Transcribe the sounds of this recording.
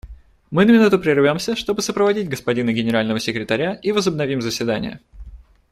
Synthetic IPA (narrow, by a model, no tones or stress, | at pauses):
mɨnəmʲɪnut̪ʊpɾʲɪrvʲo̞msʲəʂt̪o̞bɨsəpɾəvɐdʲid̚ʲtʲɡəspɐdʲinɨɡʲɪnʲɪɾalʲnəvəsʲɪkɾʲɪt̪ɐɾʲaivəzəbnɐvʲimzəsʲvʲɪd̪anʲɪ̰jə̰